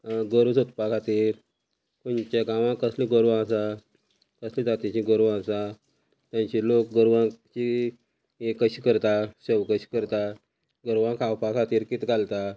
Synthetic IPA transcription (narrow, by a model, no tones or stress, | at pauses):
ɡəɾsot̪pakʰat̪iːɾ | kont͡ɕaɡãʋãkəslĩɡəɾʋãsa | kəslid͡zat̪it͡ɕĩɡəɾʋãsa | t̪jãɲt͡ɕilok̚ɡəɾʋãt͡ɕi | ekəɕiːkəɾt̪aɕəʋkəɕi̥ːkəɾt̪a | ɡəɾʋãkʰawpakʰat̪iːɾkit̪ɡʱalt̪a